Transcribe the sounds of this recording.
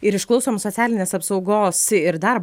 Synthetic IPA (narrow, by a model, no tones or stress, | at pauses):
ɪɾɪʃklˠɒʊsoːmsot̪sʲæːlʲɪnʲeːsɐpsɒʊɡoːsɪɾd̪ɐɾb